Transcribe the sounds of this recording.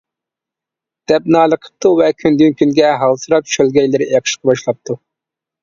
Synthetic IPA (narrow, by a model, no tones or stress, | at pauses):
d̪̥ɛp̚nɑːlˠəqʰə̥p̚t̪uvɛkʲʰynd̪ynkʲʰynɡʲɛɦɑlˠsɨɾɑp̚ʃølɡʲɛjlɪɾɪʔɛqʰə̥ʃqʰɑbɑʃlˠɑp̚t̪ʰu